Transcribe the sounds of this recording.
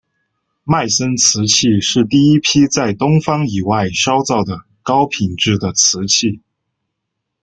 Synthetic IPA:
ma˥˩ɪsə˥nt͡sʰɹ̩˧˥t͡ɕʰi˥˧ʂɻ̩˥˧t̪i˥˩i˥pʰi˥t͡sa˥˩ɪt̪ʊ˥ŋfɑ˥ŋi˨˩wa˥˩ɪʂɑ˥ʊt͡sɑ˥˩ʊd̪ə˩ | kɑ˥ʊpʰi˨˩ŋʈ͡ʂɻ̩˥˩d̪ə˩t͡sʰɹ̩˧˥t͡ɕʰi˥˩

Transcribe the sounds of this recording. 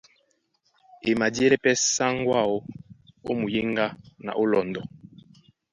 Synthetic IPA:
e˨ma˨dje˦lɛ˦pɛ˦sa˦ŋɡwa˦˨o˦o̰˦mu˨je˦ŋɡa˦na̰˨ʔo˦lɔ˨ndɔ˨

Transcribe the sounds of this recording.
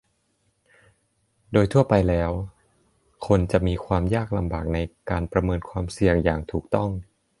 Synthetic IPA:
doː˧jt̪ʰu˥˩ɐpa˧jlɛː˦˥w | kʰo˧nt͡ɕa˨˩ʔmiː˧kʰwaː˧mjaː˥˩k̚la˧mbaː˨˩k̚na˧jkaː˧npɾa˧mɤː˧nkʰwaː˧msi˨˩əŋjaː˨˩ŋt̪ʰuː˨˩k̚t̪ɔ˥˩ŋ

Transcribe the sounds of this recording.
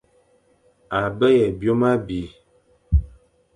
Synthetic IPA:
a˨bɛ˦jɛ˨bjo˦ma˦bi˨˦

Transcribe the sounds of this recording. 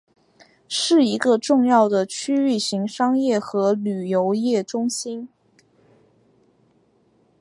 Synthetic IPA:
ʂɻ̩˥˩i˧˥ɡə˧ʈ͡ʂʊ˥˧ŋjɑ˥˩ʊd̪ə˩t͡ɕʰy˥y˥˩ɕi˧˥ŋʂɑ˥ŋjɛ˥˩xɤ˧˥ly˨˩jo˧˥ʊjɛ˥˩ʈ͡ʂʊ˥ŋɕi˥n

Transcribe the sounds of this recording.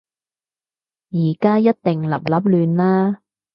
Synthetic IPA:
jiː˨˩kaː˥jɐ˥t̚t̪ɪ˨ŋlɐ̰˨p̚lɐ˨˥p̚lyː˨˧nlaː˥

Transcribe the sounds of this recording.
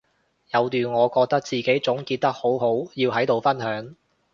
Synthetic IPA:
jɐ˨˧wt̪yː˨nŋɔː˨˧kɔː˧k̚t̪ɐ˥k̚t͡siː˨ke˨˥jt͡sʊ˨˥ŋkiː˧t̚t̪ːɐ˥k̚ho˨˥wɦo˨˥wjiː˧wɦɐ˨˥jt̪o˨wfɐ˥nɦœː˨˥ŋ

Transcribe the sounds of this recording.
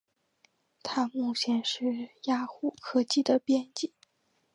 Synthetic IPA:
t̪ʰa˥mu˥˩t͡ɕʰjɛ˧˥nʂɻ̩˥˧ja˥xu˥˩kʰɤ˥t͡ɕi˥˩d̪ə˩pjɛ˥˧nt͡ɕi˥˩˦

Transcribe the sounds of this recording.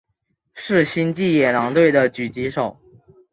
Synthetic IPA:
ʂɻ̩˥˧ɕi˥nt͡ɕi˥˩jɛ˨˩nɑ˧˥ŋt̪we˥˩ɪd̪ə˩t͡ɕy˨˩t͡ɕi˧˥ʂo˨˩˦ʊ

